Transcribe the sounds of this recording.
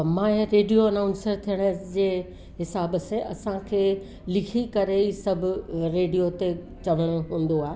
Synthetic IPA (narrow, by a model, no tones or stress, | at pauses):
mãːẽɾeːɖijoɐnaʊ̃nsəɾt̪ʰijəɽ̃əd͡ʑeː | ɦɪsaːbəsẽɐsãkʰeː | lɪkʰikɐɾeisɐbʱʊɾeːɖijot̪e | t͡ɕɐʋəɽ̃ʊɦũːn̆d̪oaːe